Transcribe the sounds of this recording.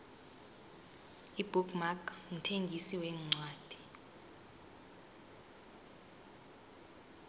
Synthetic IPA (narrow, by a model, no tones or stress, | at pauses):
ib̥ʱukmakŋitʰeŋɡʱisiwɛːŋ͡ǀʱwaːd̥ʱi̥